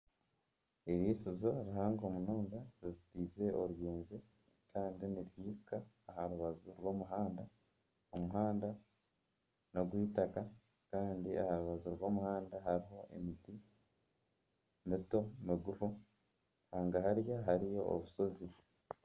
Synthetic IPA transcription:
eβiːsizo̞ɾihaːŋɡo̞ːmunuːndaɾizitiːze̞ʔoɾujeːnzi | kʰaːndiniɾjiːɾukaː | ɦaɾuβazuɾwo̞ːmuɦaːnda | omuɦaːnda | no̞ɡwiːtaka | kaːndiʔa̰haɾuβazuɾwo̞ːmuhaːndaɦaɾiɦo̞ʔe̞̰miti | mito̞miɡufu | haːŋɡaɦaɾjaɦaɾijo̞o̰βuso̞zi

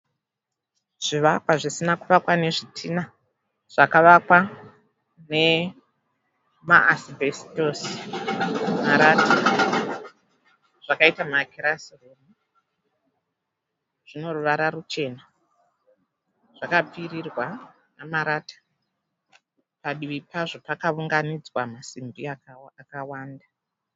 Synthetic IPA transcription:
ʐ̥iʋakwaʐisinakuʋakwane̞ʐitʰina | ʐ̥akaʋakwa | ne̞ | maʔasibesi̥tosi̥ | maɾaːtʰa | ʐ̥akaitamaːkʰiɾasiroru | ʐ̥ino̞ruʋaɾarut͡ʃe̞na | ʐ̥akapiɾirwa | namaɾaːtḁ | paɗiʋipaʐo̞pakauŋɡanid͡zwamasimbiaakawaːnda

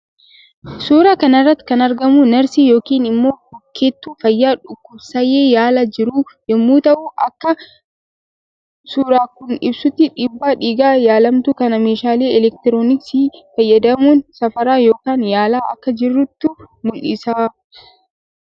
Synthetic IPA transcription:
suːɾaːkɐnɐrːɐt̪ːɪ̥kɐnɐɾɡɐmunɐɾsiːjo̞ːkiːnɪmːo̞ːhɔkːeːt̪ːuːfɐjːaːᶑʊkːʊbsɐjeːjaːlad͡ʒɪɾuːjɔmːuːt̪ɐʔuːʔɐkːɐ | suːɾaːkʊnɪbsʊt̪ːɪᶑɪbːaːᶑiːɡaːjaːlɐmt̪ukɐnɐmeːʃaːle̞ːɛlɛk̚t̪ɪɾoːnɪksiːfɐjːɐd̪ɐmuːnsɐfɐɾaːjo̞ːkaːnjaːlaːʔɐkːɐd͡ʒɪrːʊt̪ːʊ | mʊlʔɪ̰saː

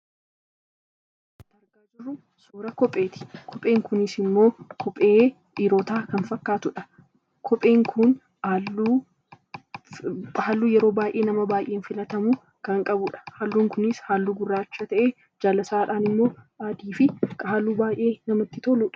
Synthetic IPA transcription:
t̪ːɐɾɡaːd͡ʒɪrːʊ | soːɾɐkɔpʼːe̞ːt̪ɪ̥kʰɔpʼe̞ːŋkʊnɪsɪmːo̞ːkʰɔpʼeː | ʔiːɾoːt̪aːkɐnfɐkːaːt̪ʊᶑɐ | kʰɔpʼe̞ːŋkʰʊn | aluː | haːlːuːjɛɾoːbaːjʔe̞ːnɐmɐbaːjʔeːnfɪlɐt̪ɐmʊ | kɐŋkʼɐbʊᶑɐ̥haːlːuːŋkʊnɪshaːlːuːɡʊrːaːt͡ʃːɐt̪ɐʔeː | d͡ʒaːlɐsaːᶑaːnɪmːo̞ː | aːd̪iːfɪkɐɦaːluːbaːjʔe̞ːnɐmɐt̪ːɪt̪oluːᶑɐ̥

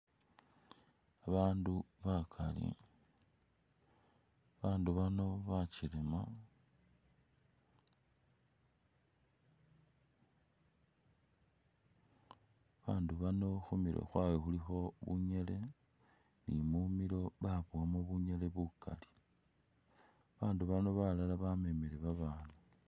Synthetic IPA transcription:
aβaːnduβakʰalḭ | βaːnduβano̞βat͡ʃilema | βaːnduβano̞xumilo̰xwawexulixo̞βṵɲe̞le̞ | nimumilo̞βaβuamoβuɲele̞βuka̰li̥ | βaːnduβano̞βalalaβamemeɾeβaβaːna

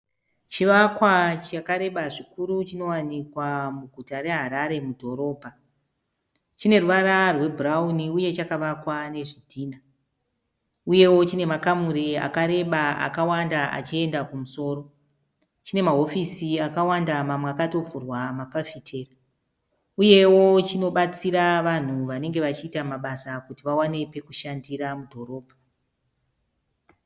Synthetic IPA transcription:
t͡ʃiʋakwat͡ʃakaɾe̞ɓaʐikuɾut͡ʃino̞wanikwamuɡʱutaɾe̞ɦaɾaɾe̞mudʱo̞ɾo̞ːbʱa | t͡ʃine̞ruʋaɾarwe̞bʱurauniuje̞t͡ʃakaʋakwane̞ʐidʱiːna | uje̞wo̞t͡ʃine̞makamuɾia̰kaɾe̞ɓaa̰kawandaa̰t͡ʃie̞ndakumuso̞ːɾo̞ | t͡ʃine̞maɦo̞fisiakawandamamweakato̞vurwamakafitʰeːri | uje̞wo̞t͡ʃino̞ɓat͡siɾaʋan̤uʋane̞ŋɡe̞ʋat͡ʃiːtamaɓasakutiʋawanepe̞kuʃandiramudʱo̞ro̞ːbʱa

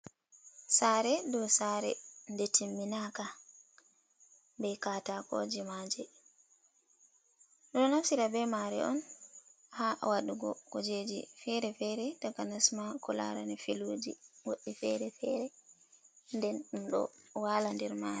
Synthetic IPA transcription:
saːɾɛdɔsaɾɛ̰ndɛtʰimːinaka | bɛkatako̰d͡ʒimad͡ʒɛ | ɗɔɔnafsiɾabɛmaɾɛ̰ʔɔn | haʔa̰waɗuɡɔ̰kɔd͡ʒed͡ʒḭfɛɾɛfɛɾɛtaɡanasmakɔla̰ɾanifiluːd͡ʒḭwoɗːifɛɾɛfɛɾɛ | ndɛnɗumɗɔ̰walandɛɾmaːɾɛ

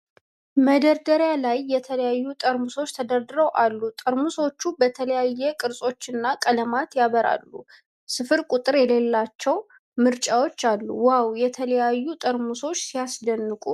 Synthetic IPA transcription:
məd̪əɾd̪əɾjalajːɛt̪ʰələjajːut̪ʼəɾmuso̞t͡ʃːt̪ʰəd̪əɾd̪ɨɾəwʔalːut̪ʼəɾmuso̞t͡ʃːubət̪ʰələjajːɛkʼɨɾsʼo̞t͡ʃːɨnːakʼələmat̪jaβəɾa̰lːu | sɨfɨɾkʼut̪ʼɨɾjɛle̞lːat͡ʃːɛw | mɨɾt͡ʃʼawot͡ʃːalːṵwawjɛt̪ʰələjajːut̪ʼəɾmuso̞t͡ʃːsijasd̪ənːɨkʼṵ

